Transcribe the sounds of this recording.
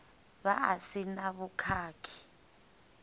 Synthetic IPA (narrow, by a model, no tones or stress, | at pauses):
βaasinaβukʰaːkʰi̥